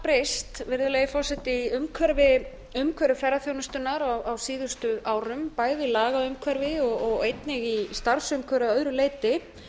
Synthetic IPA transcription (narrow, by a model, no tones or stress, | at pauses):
pɾest̪vɪɾðʏlɛjɪfɔr̥sɛt̪ɪiʏmkʰvɛɾvɪ | ʏmkʰvœɾvɪfɛɾaθjownʏst̪ʏnːaɾawawsiːðʏst̪ʏʔaːwɾʏmpaːjðɪlaːɣaʏmkʰvɛɾvɪɔɣɔɣejt̪nɪɣist̪aɾ̥sʏmkʰœɾʏaœðɾʏleːjt̪ɪ